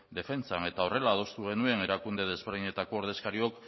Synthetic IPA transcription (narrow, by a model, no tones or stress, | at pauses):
d̪e̞fe̞nt͡sane̞t̪ao̞re̞laːð̞o̞st̪uɣ̞e̞nue̞ne̞ɾakund̪e̞ðe̞zβe̞ɾð̞iɲe̞t̪ako̞ːɾðe̞skaɾio̞k